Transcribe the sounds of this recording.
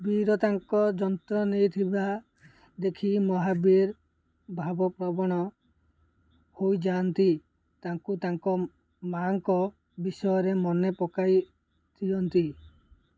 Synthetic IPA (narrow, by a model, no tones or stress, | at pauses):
biɾɔt̪aŋkɔd͡ʒɔnt̪ɾɔnejt̪ʰiba | d̪ekʰimɔɦabiɾ | bʱabɔpɾɔbɔɽ̃ɔ | hojd͡ʒant̪i | t̪aŋkut̪aŋkɔ | maŋkɔ | bisɔjɔɾemɔnepɔkaj | t̪ʰiɔnt̪i